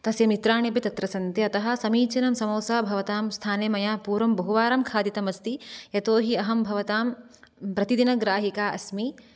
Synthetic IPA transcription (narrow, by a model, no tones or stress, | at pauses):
t̪ɐsjɐmit̪ɾaːɳibit̪ɐt̪ɾɐsɐnt̪iɐt̪ɐɦɐ̆sɐmiːt͡ʃɐnɐmsɐmɐːsaːbʱɐʋɐt̪aːmst̪ʰaːneːmɐjaːpuːɾɐmbɐɦuʋaːɾɐmkʰaːd̪it̪ɐmɐst̪ijɐt̪oːɦiɐɦɐmbʱɐʋɐt̪aːm | pɾɐt̪id̪inɐɡɾaːɦikaːʔɐ̰smi